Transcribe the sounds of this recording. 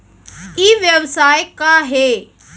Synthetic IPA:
iːʋjəʋsaːjkaɦeː

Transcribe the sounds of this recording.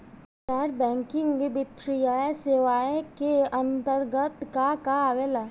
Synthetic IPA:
t͡ʃaɾbɛ̃ːŋkɪ̃ŋɡbɪt̪ɾijaːeseʋaːekeə̃nt̪əɾɡət̪kakaːʋela

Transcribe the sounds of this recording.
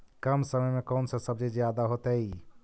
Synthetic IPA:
kəmsəməjmekəwnsə̃səb̚d͡ʒed͡ʒjad̪aɦot̪əj

